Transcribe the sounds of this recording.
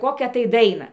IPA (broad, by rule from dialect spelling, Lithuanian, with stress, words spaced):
ˈkoːkʲæː tɐɪ ˈdɐɪnɐ